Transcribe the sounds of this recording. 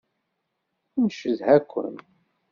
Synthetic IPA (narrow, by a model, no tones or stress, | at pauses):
nʃəzhækʷːə̰n